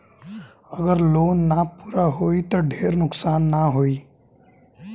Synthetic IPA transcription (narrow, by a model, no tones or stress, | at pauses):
ɐɡəɾloːnːapuːɾaɦoːit̪oɖʱeːɾnʊksaːnːaɦoːiː